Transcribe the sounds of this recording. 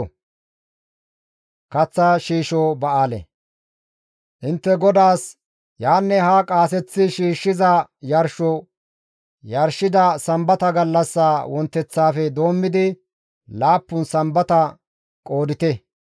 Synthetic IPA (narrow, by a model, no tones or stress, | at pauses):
kɐt͡sːaːʃiːʃoːbɐʔaːlɛ̰ | ʔɪnt̪ːɛɡɔd̪aːs | jaːnːɛɦakʼaːs̬ɛt͡sːɪʃiːʃːɪzɐjɐɾʃɔ | jɐɾʃɪd̪ɐsɐmbɐt̪ɐɡɐlːɐsːaːwɔnt̪ːɛt͡sːaːfɛd̪o̞ːmːɪd̪ɪ | laːpːʊnsɐmbɐt̪ɐ | kʼo̞ːd̪ɪt̪ɛ